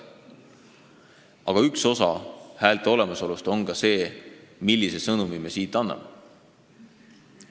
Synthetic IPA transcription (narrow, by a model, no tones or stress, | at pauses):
ɑɡ̥ɑykso̞sɑhæːlt̪ˑeo̞le̞mɑso̞lust̪o̞nkɑse̞ːmilʲːise̞sɤnumimesiːt̪ːˑɑnːɑ̰me